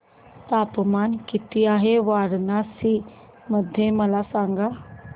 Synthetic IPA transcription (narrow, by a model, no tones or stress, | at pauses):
t̪aːpmaːnkɪt̪ɪjaːɦeːʋaːɾnaːsiː | məd̪ʱːeːməlaːsaːŋɡaː